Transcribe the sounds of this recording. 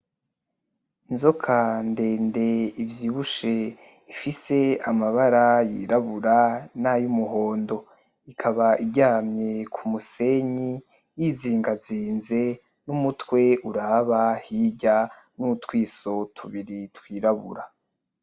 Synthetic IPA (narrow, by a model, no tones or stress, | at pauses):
inzokʰande̞ːnde̞ivjiːβuʃe̞ | ifise̞amaβaɾajḭɾaβuɾanajumuɦo̞ːndo̞ | ikʰaβaiɟaːmɲe̞kʰumuse̞ɲi | jiːziːŋɡaziːnze̞ | numutwe̞uɾaːβahiːɟanutwiːso̞tʰuβiɾitwiːɾaβṵɾa